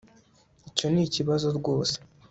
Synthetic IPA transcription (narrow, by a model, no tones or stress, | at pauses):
ico̞niciβazo̞ɾɡo̞ːse̥